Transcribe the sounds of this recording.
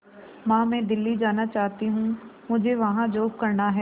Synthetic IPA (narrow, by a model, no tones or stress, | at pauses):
mãːmɛ̃ːd̪ɪlːid͡ʒaːnat͡ʃaːɦt̪iɦũmʊd͡ʒʱeʋɐɦãd͡ʒoːb̚kəɾnaɦɛː